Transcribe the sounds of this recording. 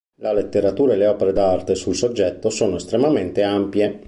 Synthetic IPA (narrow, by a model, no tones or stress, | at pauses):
lalet̪ːeɾat̪uːɾaeleɔːpeɾed̪art̪esulsod͡ʒːɛt̪ːosoːnoest̪ɾemament̪eampje